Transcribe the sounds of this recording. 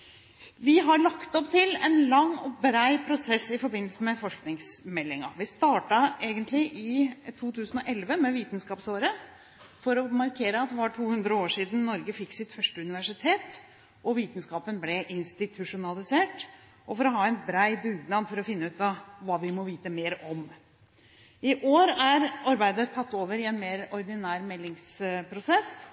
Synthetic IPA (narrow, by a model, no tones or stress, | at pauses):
ʋɪɦɑɭɑkt̪ɔpt̪ʰɪlɛnlɑŋːɔbɾæɪpʰɾʊsɛsːɪfɔɾbɪnːəlsəmɛfɔʂknɪŋsmɛlːɪŋɑ̰ʋɪst̪ɑːʈɑeːɡənt̪lɪʔɪt̪ʰuːt̪ʰʉːsənɔʔɛlʋəmɛʋiːt̪n̩skɑːpsoːɾə | fɔɾɔmɑɾkʰeːɾəɑt̪ʋɑːʈʰuːhʉnd̪ɾəoːʂiːd̪n̩nɔɾɡəfɪkːsɪt̪fœʂʈəʉnɪʋæʂɪt̪ʰeːt̪ | ʔɔʋiːt̪n̩skɑːpənblɛʔɪnst̪ɪt̪ʰʉʂʊnɑlˠɪseːʈ | ʔɔfɔɾɔɦɑːɛnbɾæɪbʉɡ̪nɑnfɔɾɔfɪnːʉːt̪ɑʋɑːʋɪmɔʋiːt̪əmeːɾɔm | ɪʔoːɾæɾɑɾbæɪd̪ət̪ʰɑt̪ːoːʋəɾɪɛnmeːɾɔɾd̪ɪnæːɾmɛlːɪŋspʰɾʊsɛs